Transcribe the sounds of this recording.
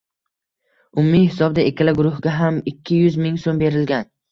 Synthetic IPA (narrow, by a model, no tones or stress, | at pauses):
ʊmʊːijhɪsɒbd̪aʔekʲalɪɡʊɾʊhɡʲaɦamɪkʲʰːɪjʊzmɪŋsombe̞ɾɪlɡʲan